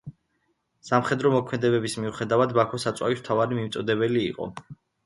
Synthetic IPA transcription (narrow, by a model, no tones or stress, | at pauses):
samχɛd̪ɾɔmɔkʰmɛd̪ɛβɛbismiuχɛd̪avad̪bakʰɔsat̪sʼwa̰vism̥t̪ʰavaɾimimt̪sʼɔd̪ɛbɛliːqʼɔ̰